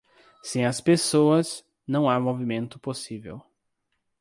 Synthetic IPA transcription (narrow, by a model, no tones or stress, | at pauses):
sẽj̃ɐspesoɐz | nɐ̃w̃amovimẽnt̪ʊposivḛw